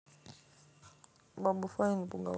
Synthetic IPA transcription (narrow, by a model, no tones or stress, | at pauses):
baɓufainpuŋɡa̰